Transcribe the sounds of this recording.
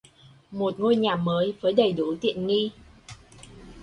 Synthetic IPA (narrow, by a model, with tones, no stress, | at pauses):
mo˨˩t̚ŋo˧jɲaː˨˩məː˨˦jvəː˨˦jɗə˨˩jɗu˨˦t̪ḭ˧˨ənŋi˧